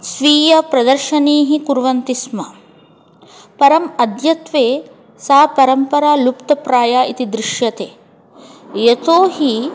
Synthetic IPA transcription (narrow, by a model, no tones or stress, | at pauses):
sʋiːjɐpɾɐd̪ɐɾʃɐniːɦikuɾʋɐnt̪ismɐ | pɐɾɐmɐd̪jɐt̪ʋeː | saːpɐɾɐmpɐɾaːlupt̪ɐpɾaːjaːʔit̪id̪ɾɪʃjɐt̪eː | jet̪oːɦi